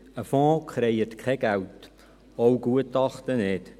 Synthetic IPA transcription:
əfɔ̃ːkχɾɛɪətkʰχɛɡ̥ælt | owɡ̥uətɑχtəneːt

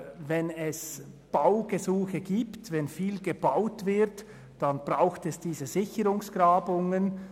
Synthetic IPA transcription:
vɛnɛs | b̥aʊɡəzuːxəɡiːptvɛnfiːlɡəbaʊtvɪɐt | d̥anbʁaʊxtɛsd̥iːzəzɪçəʁʊŋsɡ̥ʁaːbʊŋən

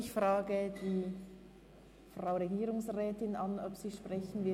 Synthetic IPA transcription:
ɪçfʁaːɡəd̥iː | fʁaʊʁeɡiːɾʊŋsʁɛːtɪnanɔpsiːʃpʁ̥ɛçn̩vɪ

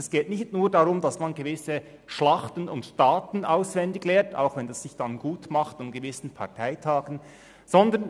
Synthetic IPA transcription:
ɛsɡ̥eːtnɪçtnuːdaʁʊmdɑsmanɡevɪsə | ʃlɑχtənʊntd̥aːtn̩ʔaʊsvɛndɪɡlɛːtʰa̰ʊxvɛndasːɪçd̥anɡuːtmɑχtanɡəvɪsn̩pʰɑɐtʰaɪtʰaːɡən̩ | z̥ɔndən

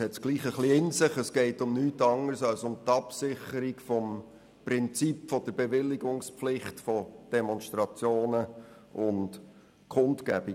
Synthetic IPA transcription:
hɛtɡ̥liːχəχliɪnsɪχəsɡ̥ɛɪtʊmnyːtɑŋəɾsɑlsʊmt̪ɑpsɪχəɾikfɔm | prɪnt͡sipfɔd̥əɾbɛʋɪlːiɡʊŋspflɪχtfɔd̥ɛmɔnʃtɾɑt͡sjoːnə | ʔʊnt | kχʊntkæ̰b̥i

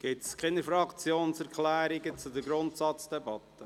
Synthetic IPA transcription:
ɡ̥ɪtskʰɪnəɾfɾɑkt͡sjoːnsɛɾkʰlæːɾɪɡət͡sudəɡɾʊnt̪sɑt͡sd̥ɛbɑt̪ːə

